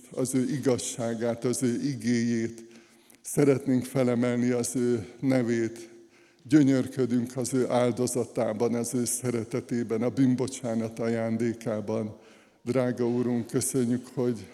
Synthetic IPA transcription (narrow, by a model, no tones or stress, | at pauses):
ɒzøːʔiɡɒʃːaːɡaːt̪ɒzøːʔiɡeːjeːt̪ | sɛɾɛt̪neːŋkfɛlɛmɛlniɒzøːnɛveːt̪ | ɟø̞ɲørkød̪yŋkʰɒzøːʔaːld̪o̞zɒt̪aːbɒnɒzøːsɛɾɛt̪ɛt̪eːbɛnɒbymbo̞t͡ʃaːnɒt̪ɒjaːnd̪eːkaːbɒn | d̪raːɡɒuɾuŋkkø̞søɲːykho̞ɟ